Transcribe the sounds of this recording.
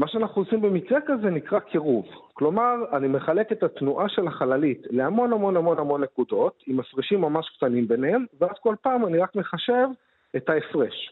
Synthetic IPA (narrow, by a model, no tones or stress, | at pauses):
maʃeanaχnuosimbemikʁekaze̞nikʁakʰeʁuvklo̞maʁanime̞χale̞ke̞t̪atnuʔaʃe̞laχalalitleamo̞namo̞namo̞namo̞nːe̞kud̪o̞t̪imafʁiʃimːamaʃkt̪animbenhe̞mvead̪ko̞lpaːmaniʁakme̞χaʃe̞v | etaefʁeʃ